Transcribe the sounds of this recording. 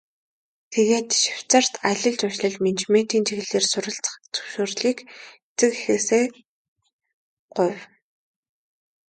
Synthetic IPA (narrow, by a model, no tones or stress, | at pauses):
t̪ʰeɣeːt̪ʃi̥w̥t͡sə̆r̥t̪ʰaɮʲə̆ɮt͡sʊʃɮə̆ɮment͡ɕmen̥t̪iːnt͡ɕʰiɣɘ̆ɮeːrsʊɾə̆ɬt͡sə̥̆χt͡sɵ̥wʃoːrɮiːk | t͡sɘ̆kixeːseː | ɢ̥ʊw